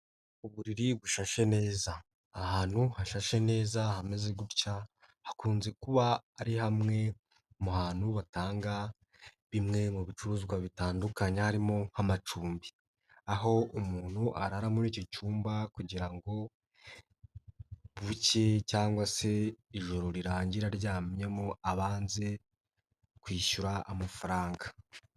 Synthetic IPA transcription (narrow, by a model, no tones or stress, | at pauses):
uβuɾiɾiβuʃaʃe̞ne̞ːzaː | haːn̥huhaʃaʃe̞ne̞ːzahamezeɡuɾca | hakuːnze̞kuβaːɾihamŋe̞ | muhaːn̥huβataːŋɡa | βimŋe̞muβit͡ʃuɾuːzɡwaβitaːndukaɲehaɾimo̞hamat͡ʃuːmbi | aɦo̞umuːn̥huʔaɾaɾamuniːco̞cuːmbakuɟiɾaŋɡo̞ | βuce̞caːŋɡwase̞iʒo̞ɾo̞ɾiɾaːɲɟiɾaɾɟaːmɲemoaβaːnze̞ | kwiːʃuɾaʔamafaɾaːŋɡa